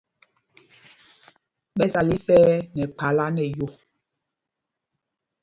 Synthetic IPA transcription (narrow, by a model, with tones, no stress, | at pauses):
ɓɛ˦sa˨li˦sɛː˦nɛ˨k͡pa˨la˦nɛ˨jo˦˨